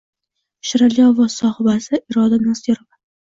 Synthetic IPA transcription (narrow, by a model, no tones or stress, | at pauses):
ʃɪɾaljɒvɒsɒhɪbasɪʔɪɾɒd̪anasɡʲeɾova